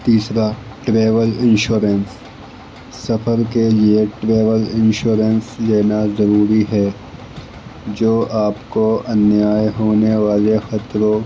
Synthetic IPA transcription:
t̪iːsɾa | ʈɾeːʋəlɪ̃nʃoːɾəns | sɐfʰəɾkelieʈɾeːʋəlɪ̃nʃoːɾənsleːnazɐɾuːɾiɦɛː | d͡ʒoːʔaːpkoɐnjaːjɦoːneʋaːlexɐt̪ɾõ

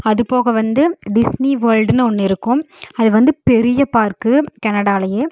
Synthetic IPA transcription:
ɐðɯpoːɣɐʋɐnd̪ɯɖɪsniʋɐɾlɖɯnɯɔnːɪɾɯkːɯm | ɐðɯʋɐnd̪ɯpɛɾɪjɐpaːɾkɯkɐnɐɽaːlɐjeː

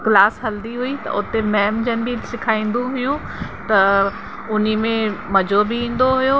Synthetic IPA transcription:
ɡlaːsɦɐld̪iɦuit̪ɐ̰ʊt̪emɛːmd͡ʑənɪ̆bisɪkʰaːĩːn̆d̪ũɦʊjũ | t̪ɐ | ʊnimẽmɐd͡ʑobʱɪĩːn̆d̪oɦʊjo

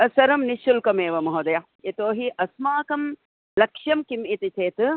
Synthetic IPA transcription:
ɐsɐɾɐmniʃulkɐmeːʋɐmɐɦod̪ɐjɐ | it̪oːɦiʔɐsmaːkɐm | lɐkʂjɐmkimit̪it͡ʃʰeːt̪ɨ

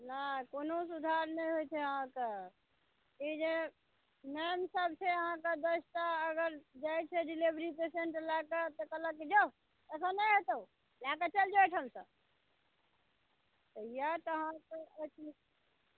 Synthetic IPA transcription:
nakonosud̪ʱaɾnɛjɦojt͡ʃʰɛəɦãke | id͡ʒe | nemsəb̚t͡ʃʰeəɦãked̪esʈ̪aəɡəɾd͡ʒajt͡ʃʰeɖilibɾipeseɳʈlaket̪ɔkələkːed͡ʒo | ɛsãnɛjɦet̪əw | laket͡ʃəld͡ʒajʈʰɦəmsə̰b | t̪əjat̪əɦãkəət͡ʃi

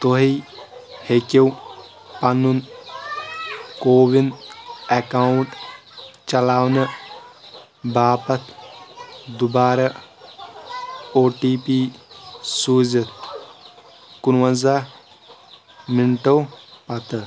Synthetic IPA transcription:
t̪oɦi | hekew | pɐnun | koːʋinekawuɳʈ | t͡ʃɐlaːwnɐ | baːpɐt̪ʰ | d̪ubaːɾɐ | oːʈiːpiːsuːzɐt̪ | kunwɐnza | miɳʈɐwpɐt̪ɨ

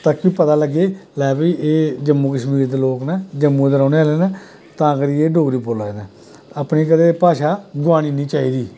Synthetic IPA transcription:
t̪aːkːiːpət̪aːləɡːeːlɛːbiːʔeːd͡ʒəmːũːkəʃmiːɾd̪eːloːknad͡ʒəmːũːd̪əɾaːneːaːleːnəː | t̪ãːkəɾiːeːɖoːɡɾiːpoːloːeːnɛː | əpniːkəd̪eːpaːʃaːɡʊʋaːɽ̃iːnĩːt͡ʃaːiːd̪iː

